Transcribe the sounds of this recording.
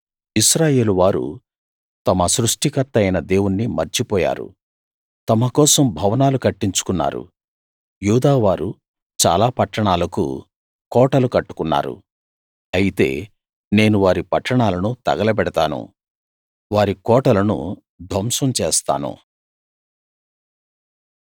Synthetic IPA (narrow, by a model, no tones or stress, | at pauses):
isɾaːje̞ːluʋaːɾṵ | t̪ɐmɐsɾuʂʈikɐɾt̪ːɐjnɐd̪e̞ːwunːimɐɾt͡ʃipɔːja̰ːɾṵ | t̪ɐmɐkɔːsɐmbʱɐʋɐnaːlukɐʈːiɲt͡ʃu̥kunːa̰ːɾṵ | juːd̪aːʋaːɾṵ | t͡ʃa̰ːlaːpɐʈːɐɳaːlɐkṵ | kɔːʈɐlukɐʈːu̥kunːa̰ːɾṵ | ɐjit̪e̞̰ː | ne̞ːnuʋaːɾipɐʈːɐɳaːlɐnut̪ɐ̰ɡɐlɐbɛɽɐt̪aːnṵ | ʋaːɾikɔːʈɐlɐnṵ | d̪ʱɐmsɐmt͡ʃeːst̪a̰ːnṵ